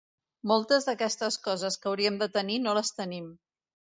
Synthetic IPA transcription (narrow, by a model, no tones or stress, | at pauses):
molˠt̪əzðəkɛst̪əskɔzəskəwɾiəmd̪ət̪əninoləst̪ənim